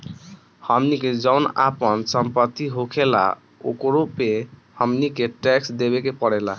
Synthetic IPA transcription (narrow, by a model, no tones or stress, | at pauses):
həmniked͡ʒəʊna̰pənsəmpət̪iɦokʰela̰ | o̰kɾopehəmnikeʈɛksd̪eβekepəɽela̰